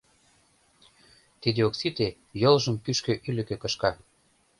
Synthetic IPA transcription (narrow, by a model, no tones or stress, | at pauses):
t̪id̪eoksit̪e | jolʒə̆mkyʃkøʔylɘ̆kø̆kɤ̆ʃkɑ